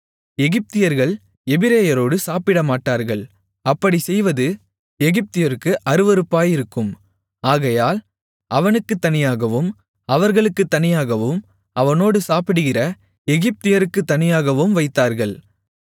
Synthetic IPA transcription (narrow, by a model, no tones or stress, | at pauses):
ɛɣɪp̚t̪ɪjɐɾɣɐɭ | ɛbɪɾeːjɐɾoːɽɯsaːpɪɽɐmaːʈːaːɾɣɐɭ | ɐpːɐɽisɛjʋɐðɯ | ɛɣɪp̚t̪ɪjɐɾɯkːɯʔɐɾɯʋɐɾɯpːaːjɪɾɯkːɯm | aːɣɐjaːl | ʔɐʋɐnɯkːɯt̪ːɐnɪjaːɣɐʋɯm | ɐʋɐɾɣɐɭɯkːɯt̪ːɐnɪjaːɣɐʋɯm | ɐʋɐnoːɽɯsaːpɪɽɯɣɪrɐ | ɛɣɪp̚t̪ɪjɐɾɯkːɯt̪ːɐnɪjaːɣɐʋɯmʋɐɪt̪ːaːɾɣɐɭ